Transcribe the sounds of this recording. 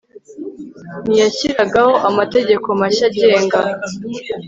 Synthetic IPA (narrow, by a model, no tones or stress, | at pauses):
nijaciɾaɡaho̞ʔamate̞ɟe̞ko̞maɕaɟe̞ːŋɡa